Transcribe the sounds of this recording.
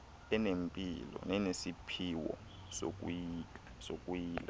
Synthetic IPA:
ɛnempʼḭlɔ̰nɛnesipʰiwɔ̰ | so̰k̬ʼujiːasokʼujiːla

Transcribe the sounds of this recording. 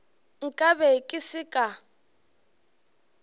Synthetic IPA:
ŋ̩kʼabɛkʼɪsɪkʼa

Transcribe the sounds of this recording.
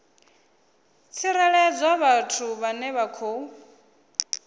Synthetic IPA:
t͡sʰiɾɛɺɛd͡zaβatʰuβanɛβakʰoːu

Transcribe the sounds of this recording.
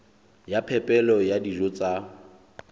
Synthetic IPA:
japʰɛpʼɛlɔjadiʒɔt͡sʼa

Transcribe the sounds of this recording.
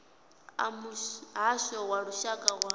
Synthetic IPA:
a̰muɦaʃɔwaɺuʃakʼawa

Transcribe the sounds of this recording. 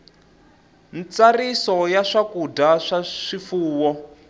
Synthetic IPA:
nt͡sarisɔjaʂakudaʂaʂifuːwɔ

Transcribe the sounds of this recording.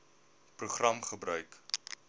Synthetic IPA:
pruχrɐmχəbrœɥk

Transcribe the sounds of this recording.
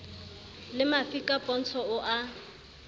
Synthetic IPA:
lɪmafikʼapʼɔn̩t͡sʰɔʊʔa

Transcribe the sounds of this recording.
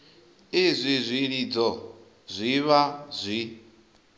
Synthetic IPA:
izʷizʷiɺid͡zɔ | zʷiβazʷi

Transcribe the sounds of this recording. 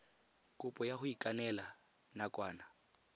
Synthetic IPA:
kʼʊpʼɔjahʊikʼanɛla | nakʼwaːna

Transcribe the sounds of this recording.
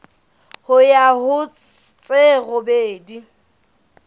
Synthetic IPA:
hʊjahʊ | t͡sʼeɣʊbeːdi

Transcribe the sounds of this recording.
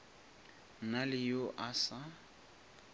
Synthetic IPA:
nalɪjoʔasa

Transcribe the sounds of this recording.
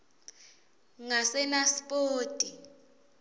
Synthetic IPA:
ŋasɛnaspʼoːtʼi

